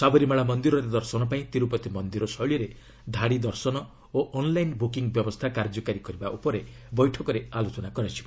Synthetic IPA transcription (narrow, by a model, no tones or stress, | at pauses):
sabɔɾimaɭamɔnd̪iɾɔɾed̪ɔɾsɔnɔpaĩt̪iɾupɔt̪imɔnd̪iɾɔsɔɭjɔɾe | d̪ʱaɽid̪ɔɾsɔnɔ | oʔɔnlajnbukiŋbjɔbɔst̪ʰakaɾd͡ʒɔkaɾikɔɾibaʔupɔɾe | bɔjʈʰɔkɔɾealot͡ʃɔnakɔɾat͡ʃʰi̥ba